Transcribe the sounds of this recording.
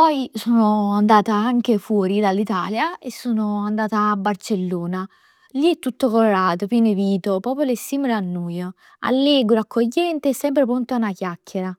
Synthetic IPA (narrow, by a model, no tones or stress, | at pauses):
pɔjsoːnoand̪aːt̪aaŋk̟efwɔːɾid̪alːit̪aːljaesːoːnoand̪aːt̪aːbːart͡ʃelːoːna | liɛt̪ːut̪ːokoloɾaːt̪opjɛːneviːt̪opɔːpolesːiːmelanːuːjo | a̰lːɛːɡɾoakːoʎːɛnt̪eɛsːɛmpɾepɾont̪oaunak̟jakʰːeɾa